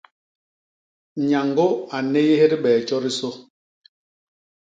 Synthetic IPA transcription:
ɲa˨ŋɡo˦a˨ne˦je˦he˦ɾi˦ɓɛː˨t͡ʃɔ˦ɾi˦so˦

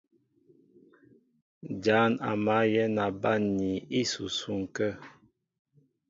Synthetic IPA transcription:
d͡ʒa˨˦na̰˨ma˨˦jɛ˦na˨ba˦˨nːi˨i˦su˨su˦ŋ˨kə˦

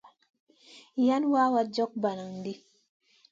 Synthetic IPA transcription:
ja˦nwa˦wa˦d͡ʒɔ˦k̚ba˨na˨ŋn˨di˦

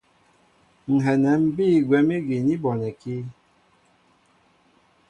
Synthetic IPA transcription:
ŋ̩˨ɦɛ˨nɛ˨˦m̩˦biː˦˨ɡwɛ˨˦mi˦ɡi˨ni˦bɔ˨nɛ˨ki˦

